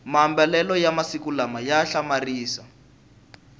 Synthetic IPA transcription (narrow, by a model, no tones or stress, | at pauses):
mambɛlɛlɔjamasikulamajaɬamariːsa